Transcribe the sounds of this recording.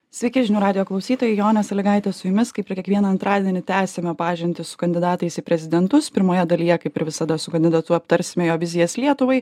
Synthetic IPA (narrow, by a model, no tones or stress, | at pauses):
sʲʋʲɛɪkʲɛʒʲɪnʲuːɾɑːd̪ʲɪjoːklˠɐʊsʲiːt̪oːjɛɪjoːnʲɛsɐlʲɪɡɐɪt̪ʲɛsʊjʊmʲɪskɐɪpʲɪɾkʲɛkʋʲiɛnɐɐnt̪ɾʔɑːd̪ʲiɛnʲɪt̪ʲæːsʲemʲɛpɑːʒʲɪnʲt̪ʲɪsʊ̥kɐnʲd̪ʲɪd̪ɑːt̪ɐɪsipʲɾʲɛzʲɪd̪ʲɛnt̪ʊspʲɪɾmoːjɛd̪ɐlʲijɛkɐɪpɪɾʋʲɪsɐd̪ɐsʊkɐnʲd̪ʲɪd̪ɐt̪ʊɐp̚t̪ɐɾʲsʲɪmʲeːjoːʋʲɪzʲɪjɛslʲiɛt̪ʊʋɐɪ